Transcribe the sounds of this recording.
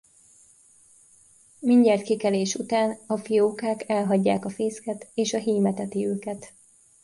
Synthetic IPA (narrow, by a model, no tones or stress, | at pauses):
miɲɟɛrt̪kikɛleːʃut̪aːnɒfijoːkaːkɛlɦɒɟːaːkɒfeːskɛt̪eːʃɒɦiːmɛt̪ɛt̪iøːkɛt̪